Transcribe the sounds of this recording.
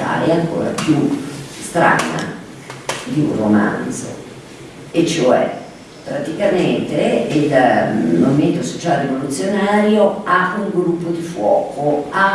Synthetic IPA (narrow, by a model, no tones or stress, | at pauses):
a̰eɛaŋko̰ːɾa̰pjust̪ɾa̰ːna̰ | d̪iṵrroma̰nd̪zo̰ | et͡ʃːoɛ̰ | pːɾat̪ikament̪eilmoviment̪oso̥t͡ʃaːlerivolut̪sːjonaːɾjoauŋɡɾupːod̪ifwɔ̰ːkoa